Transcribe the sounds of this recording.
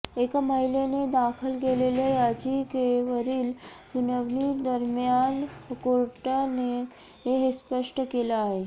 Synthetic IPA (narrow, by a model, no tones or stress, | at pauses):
ekaməɦilened̪akʰəlkelelejad͡ʑikeʋəɾiːlsunəʋnid̪əɾmjankoɾʈane | ɦeɦespəʂʈəkelaːɦe